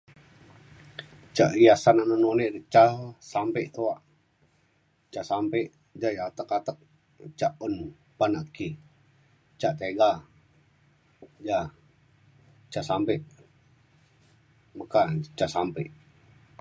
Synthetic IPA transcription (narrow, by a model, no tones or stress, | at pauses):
t͡ʃaʔijasananənoneʔdət͡ʃasampeʔt̪oaʔ | t͡ʃasampeʔ | d͡ʒajat̪əkat̪ək̚ | t͡ʃaʔon | panaʔki | t͡ʃaʔt̪eɡa | d͡ʒa | t͡ʃasampeʔ | məkat͡ʃasampeʔ